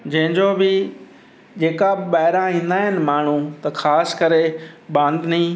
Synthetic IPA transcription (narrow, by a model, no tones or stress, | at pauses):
d͡ʑɐ̃ɦɪ̃ɲd͡ʑoːbɪ | d͡ʑeːkaɓaːɦɪɾãĩːn̆d̪aːɦɪnɪ̆maːɳ̤ũt̪ɐxʰaːskɐɾeɓãːnd̪ʱnĩː